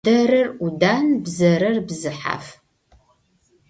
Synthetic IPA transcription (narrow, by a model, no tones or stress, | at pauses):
dɐɾɐrudaːnbzɐɾɐrbzɨħa̰ːf